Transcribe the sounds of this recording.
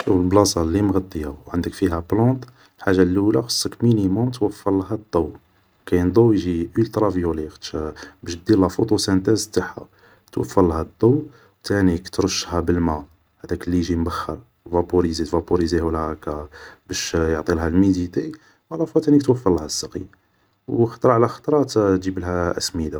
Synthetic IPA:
lblɑsɑlimɣɑt̪ˤːəjawʕənd̪əkfiɦæblɑ̃t̪ˤ | lħaʒːalulæxə̥sˤːəkminimʊmt̪wəfːɑllːɦæd̪ˤːɑw | kæjnd̪ˤowjʒiʔəlt̪ɾˤɑvjulixbæʃd̪ilæfut̪ˤusænt̪æzt̪ːaħa̰ | t̪wə̰fːəlːhæd̪ˤːow | t̪ænikt̪ɾˤəʃːhæbəlmæ | hæd̪ækəlːiʒimbəxːə̰ɾ | wvɑpuɾizit̪vɑpuɾizihulhækabæʃjoʕt̪ˤilɦælmid̪it̪i | wælɑfæt̪ænikt̪wəfːɑlːhæsːɑqḭ | wxɑ̥t̪ˤɾˤɑʕlæxɑ̥t̪ˤɾˤɑt̪ʒibəlhæʔə̰smid̪a

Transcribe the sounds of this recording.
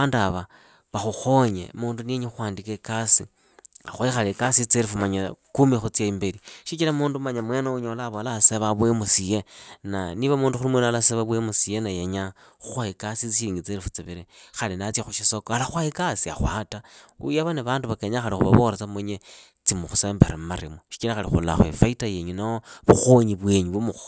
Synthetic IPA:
andaβa | βaxuxo̞ɲḛmuːndunieɲexwaːndikekasi | a̰xwaixalekasit͡seɾifumaɲakumixut͡sjaimbeɾiʃit͡ʃilamuːndumaɲamwenouɲolaβolaseβaβwemusijena̰niβamuːnduxulimwenalaseβaβwemusijenajeɲa | xuxwaikasit͡siʃiɾiːŋɡit͡seɾifut͡siβiɾexalinat͡sjaxuʃisokoalaxwaikasia̰xwa̰taṵjaβaneβaːnduβakeɲaxalixṵβa̰βoɾet͡samoɲe | t͡simuxuseːmbeɾemmaɾimuʃi̥t͡ʃilaxalixṵla̰xwḛfaitajeɲunaoβuxoɲiβwe̞ɲuβumux

